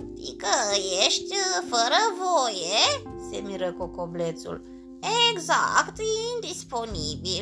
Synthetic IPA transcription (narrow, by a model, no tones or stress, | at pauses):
t̪ḭkəjeʃt̪ʲfəɾəvojese̞miɾəkokoble̞t̪sṵl | eɡza̰kt̪ind̪ispo̞nibil